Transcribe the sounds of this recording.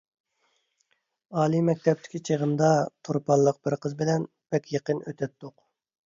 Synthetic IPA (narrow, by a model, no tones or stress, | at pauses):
ɑːlˠimɛk̚ʲt̪ʰɛp̚t̪ʰɪ̥kʲit͡ʃʰeʁənd̪ɑt̪ʰoɾpʰɑlˠːəq̚b̥ɪɾqʰəzbɪlɛn | b̥ɛkʲjeqənøt̪ʰɛt̪ːʊq